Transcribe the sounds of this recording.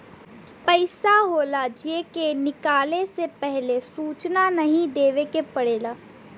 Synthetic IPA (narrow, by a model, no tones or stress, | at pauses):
pəɪsaɦoːlad͡ʒeːkenɪkaːlesepɛɦlesuːt͡ʃnanəɦĩd̪eːʋekepəɽeːlaː